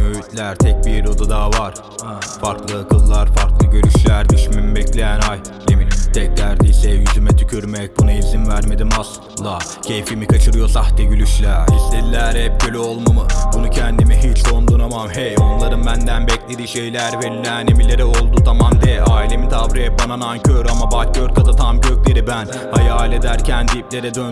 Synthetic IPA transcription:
møjyt̪lʲæɾt̪ʰɛc̚biɾɾo̞d̪ud̪aːvaɾ̥ | faɾklˠɯkʰɯlˠːaɾfaɾklˠɯɟøɾyʃlʲæɾd̪yʃmymbɛclʲejænaj | emint̪ʰɛc̚d̪ʲæɾd̪iːsɛjyzymɛt̪ʰycʰyɾmɛc̚bunaizinvæɾme̞d̪imas | lˠa | cʰejfimikʰat͡ʃʰɯɾɯjo̞saxt̪ʰɛɟølʲyʃlʲæɾislʲed̪ilʲæɾhɛp̚ɟølʲyolˠmamɯbunucʰænd̪imiɦit͡ʃond̪unamahɛo̞nlˠaɾɯmbænd̪ænbɛclʲed̪iʃe̞jlʲæɾvɛlʲæːnemilʲe̞ɾɛo̞lˠd̪ut̪ʰamand̪ɛʔaːilʲe̞mit̪ʰavɾijɛbananancʰøɾamabacʰøɾkʰazat̪ʰamɟøclʲe̞ɾibæn | hajaːlʲe̞d̪æɾcʰænd̪iip̚lʲe̞ɾɛd̪øn

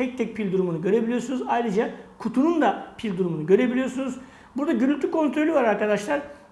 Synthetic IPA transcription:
t̪ʰɛc̚t̪ʰɛc̚pʰilʲd̪uɾumunuɟø̞ɾe̞bilʲijoɾsunuzajɾɯd͡ʒakʰut̪ʰunund̪apʰilʲd̪uɾumunuɟø̞ɾe̞bilʲijo̞ɾsunuz | buɾd̪aɟynylʲt̪ʰykʰo̞nt̪ɾolʲyvaɾaɾkad̪aʃlˠaɾ

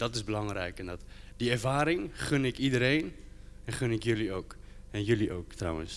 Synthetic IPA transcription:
d̥ɑtɪzbəlɑŋɾɛ̰jkɛndɑt | diɛrvaːɾɪŋχənɛkidəɾejn | ɛnχənɛkjəliowk | ɛnjəliʔowktrœ̰wə̰ns

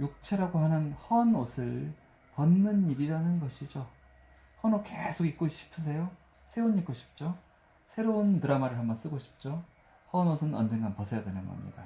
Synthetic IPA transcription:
juk̚t͡ɕʰe̞ɾaɡoɦanɯnhʌnosʰɯɭ | pʌnːɯniɾiɾanɯnɡʌɕʰid͡ʑo | hʌnokesʰoɡik͈̚oɕʰi̥pʰɯs̬ʰe̞jo | sʰe̞oɲik͈oɕʰi̥p̚t͡ɕ͈o | sʰe̞ɾountɯɾamaɾɯɭɦambʌns͈ɯɡoɕʰi̥p̚t͡ɕ͈o | hʌnosʰɯnnʌ̰nd͡ʑe̞ŋɡanpʌsʰe̞jadwenɯnɡʌ̰mɲḭda

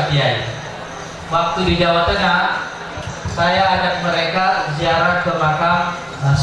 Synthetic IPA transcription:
diaj | wak̚t̪udid͡ʒawat̪ana | sajaːd͡ʒak̚məɾekaziaɾakəlakam | a

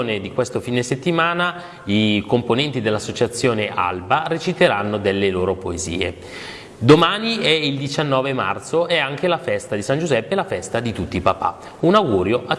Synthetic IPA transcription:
ned̪ikwest̪ofiːneset̪ːimaːna | ikomponɛnt̪id̪elːasːot͡ʃat̪sːjoːneʔa̰lbaret͡ʃit̪eɾanːod̪elːeloːɾopoezḭːḛ | d̪omaːniɛild̪it͡ʃanːɔːvema̰rt̪soɛaŋkelafɛst̪ad̪isand͡ʒuzɛpːelafɛst̪ad̪it̪ut̪ːiːpapa̰ | unawɡuːɾjoʔa

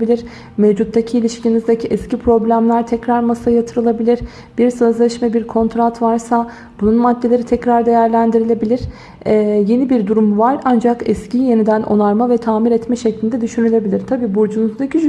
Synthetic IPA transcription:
bilʲiɾ | mevd͡ʒut̪ʰːacʰiːlʲiʃcʰinizd̪acʰiʔɛscipʰɾo̞blʲæmlʲæɾt̪ʰɛcɾaɾmasajat̪ʰɯɾɯlˠabilʲiɾ | biɾsø̞zlʲɛʃmɛbiɾkʰo̞nt̪ɾat̪vaɾsa | b̥ununmad̪ːe̞lʲe̞ɾit̪ʰɛcɾaɾd̪e̞jæɾlʲænd̪iɾilʲe̞bilʲiɾ̥ | ɛje̞nibiɾd̪uɾumvaɾand͡ʒakɛscije̞nid̪ænʔo̞̰nˠaɾmavɛt̪ʰaːmiɾɛt̪mɛʃɛclʲind̪ɛd̪yʃynylʲe̞bilʲiɾt̪ʰabiːbuɾd͡ʒunuzd̪acʰi

